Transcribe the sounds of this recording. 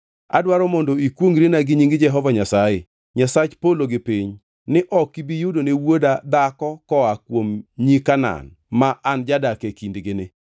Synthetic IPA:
a̰dwaɾɔmondɔikwoŋɾenaɡɪɲiŋɡɪd͡ʒɛɦɔvaɲasajɪ | ɲasat͡ʃpoloɡɪpiɲ | nɪʔɔkːibijudonewodad̪akɔkɔakwomɲikana̰n | maʔand͡ʒadakekindɡɪnɪ

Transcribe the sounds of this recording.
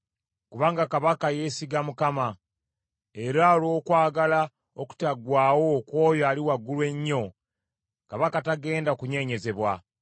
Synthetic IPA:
kuβaːŋɡakaβakaje̞siɡamukama | e̞ɾaolo̞ːkwaːɡala | oku̥taɡwaːwo̞ːkwo̞ːjoaːliwaɡːulwe̞ɲːo̞ | kaβakataɡe̞ːndaokuɲe̞ɲe̞ze̞βwa

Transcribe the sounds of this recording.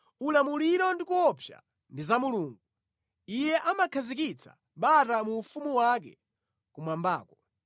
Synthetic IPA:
ulamuliɾɔndikuwɔpʰja̰ | ndizamuluːŋɡu | ijɛʔamakʰazikit͡sʰḁ̰ | ɓatamuːfumuwak̬ɛ̰ | kumwamba̰ːkɔ

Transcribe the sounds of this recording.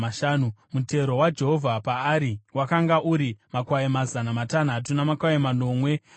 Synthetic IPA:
aʃaːnumute̞ɾo̞wad͡ʒe̞ɦo̞vʱapaːɾiwakaŋɡaʔuɾimakwaemazanamatan̤at̬unamakwaemano̞ːmwe̞

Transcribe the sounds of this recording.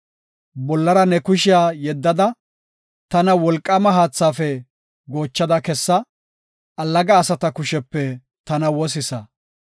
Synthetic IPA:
bɔlːɐɾɐnɛkʊʃɪjaːjɛd̪ːɐd̪ɐ | t̪ɐnɐwɔlkʼːɐmɐɦaːt͡sːaːfɛ | ɡo̞ːt͡ʃːɐd̪ɐkɛsːɐ | ʔɐlːɐɡɐːsɐt̪ɐkʊʃɛpːɛ | t̪ɐnɐwɔs̬ɪsɐ

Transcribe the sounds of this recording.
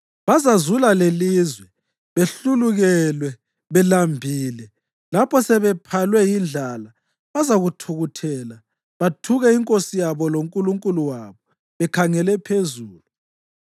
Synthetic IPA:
βazazulalelizwɛ | βeɬuluɣɛlwɛ | βɛlambʱiːlɛ | lapʰɔsɛβɛpʰalwɛjind͡ɮʱala | βazaɣutʰuɣutʰɛla | βatʰuɣɛiŋkʼosijaβɔloŋkʼuluŋkʼuluwaβɔ | βɛkʰaŋɛlɛpʰezuːlu

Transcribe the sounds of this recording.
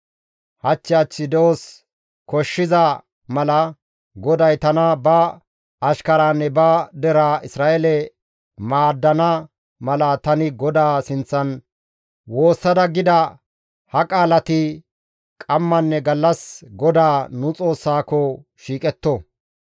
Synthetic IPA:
hɐt͡ʃːɪjaːt͡ʃːɪd̪ɛos | kɔʃːɪzɐ | mɐlɐ | ɡɔd̪ɐjt̪ɐnɐbɐ | ɐʃkɐɾaːnːɛbɐd̪ɛɾaʔɪsɾaːʔɛlɛ | maːd̪ːɐnɐ | mɐlɐt̪ɐnɪɡɔd̪aːsɪnt͡sːɐn | wo̞ːsːɐd̪ɐɡɪd̪ɐ | hɐkʼaːlɐt̪ɪ | kʼɐmːɐnːɛɡɐlːɐsɡɔd̪aːnʊt͡sʼo̞ːsːaːkɔʃiːkʼɛt̪ːɔ

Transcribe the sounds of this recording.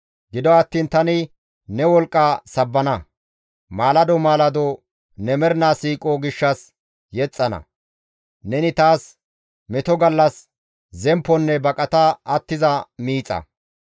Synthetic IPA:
ɡɪd̪ɔɐt̪ːiːnt̪ɐnɪ | nɛwɔlkʼːaːsɐbːɐnɐ | maːlɐd̪ɔmaːlɐd̪ɔ | nɛmɛɾnaːsiːkʼoɡɪʃːɐs | jɛt͡sʼːɐnɐ̰ | nɛnɪt̪aːs | mɛt̪ɔɡɐlːɐs | zɛmpːɔnːɛbɐkʼɐt̪ɐɐt̪ːɪzɐmiːt͡sʼːɐ̰

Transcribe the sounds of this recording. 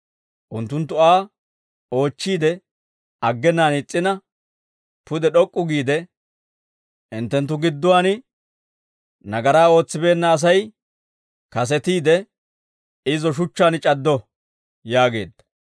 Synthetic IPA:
ʔʊnt̪ːʊnt̪ːʊaː | o̞ːt͡ʃːiːd̪ɛ | ɐɡːɛnːaːnɪt͡sʼːɪnɐ | pʊd̪ɛɗɔkʼːʊɡiːd̪ɛ | ɪnt̪ːɛnt̪̬ːʊɡɪd̪ːʊwaːnɪ | nɐɡɐɾaːo̞ːt͡sːɪbe̞ːnːɐːs̬ɐj | kɐs̬ɛt̪iːd̪ɛ | ɪzɔʃ̬ʊt͡ʃːaːnɪt͡ʃʼɐd̪ːɔ | jaːɡe̞̰ːd̪ːɐ̥

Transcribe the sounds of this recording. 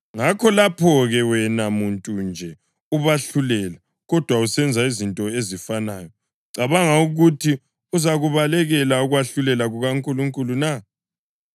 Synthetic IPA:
ŋakʰɔlapʰɔɣɛwɛnamuntʼund͡ʒʱɛ | uβaɬulɛla | ɣɔd̥ʱwausɛnd͡zʱaizintʼɔezifanaːjɔ | ǀaβaŋauɣutʰi | uzaɣuβalɛɣɛlauɣwaɬulɛlaɣuɣaŋkʼuluŋkʼuluna

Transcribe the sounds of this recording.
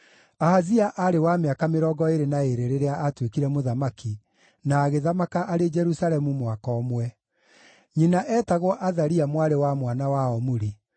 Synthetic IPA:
aɦaziaʔaɾewameakameɾɔɡɔeɾenaeɾeɾeɾeaʔːtwekiɾɛmoðamaki | naːɣeðamakaʔaɾed͡ʒɛɾusalɛmumwakɔːmwɛ | ɲinaʔɛːtaɣwɔʔaðaɾiamwaɾewamwanawaɔmoɾi

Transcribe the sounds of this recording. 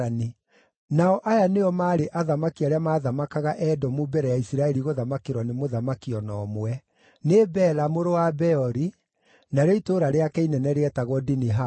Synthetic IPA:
ani | naɔʔajaneɔmaːɾeʔaðamakiaɾeamaːðamakaɣaʔɛdɔmubɛɾɛjaisiɾaɛɾiɣoðamakeɾwɔnemoðamakiɔnɔːmwɛ | nebɛlamoɾowabɛɔɾi | naɾeitoɾaɾeakɛinɛnɛɾeɛtaɣwɔdiniɦa

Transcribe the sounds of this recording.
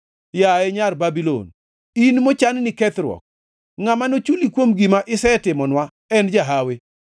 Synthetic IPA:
jaɛɲarbabilo̰n | inmot͡ʃannɪkɛt̪ɾwɔ̰k̚ | ŋamanot͡ʃulikwomɡimaʔɪsɛtɪmɔnwa | ɛnd͡ʒaɦawe

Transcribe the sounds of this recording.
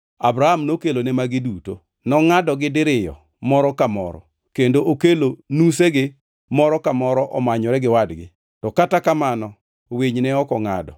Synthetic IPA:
abɾahamnokelonɛmaɡɪduto | nɔŋadɔɡɪdɪɾɪjɔ̰ | mɔɾɔkamɔ̰ɾɔ̰ | kendoʔokelonuseɡɪ | mɔɾɔkamɔɾɔʔɔmaɲɔɾɛɡɪwadɡɪ̰ | tɔkatakamanɔ | weɲnɛɔkɔŋa̰dɔ

